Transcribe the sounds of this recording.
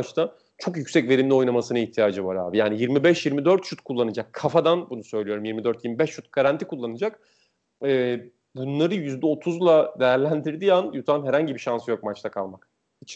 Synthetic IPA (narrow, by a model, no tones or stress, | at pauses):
t͡ʃt̪ʰa | t͡ʃʰo̞kjycʲsɛcve̞ɾimlʲo̞jnamasɯnɯiçt̪ʰijaːd͡ʒɯvaɾa̰ːbijaːnijiɾmibɛʃjiɾmid̪øɾt̪ʃut̪kʰulˠːanɯd͡ʒakʰːafad̪anbunusø̞jlʲijo̞ɾumjiɾmid̪øɾt̪jiɾmibɛʃʃut̪̚ɡ̥aɾant̪ʰikulˠːanɯd͡ʒak | ɛː | bunlˠaɾɯjyzd̪ɛo̞t̪ʰuzlˠad̪e̞jæɾlʲænd̪iɾd̪ijanjut̪ʰanɦɛɾhaɲɟibiʃansɯjo̞k̚mat͡ʃt̪ʰakʰalˠmak̚ | it͡ʃʰ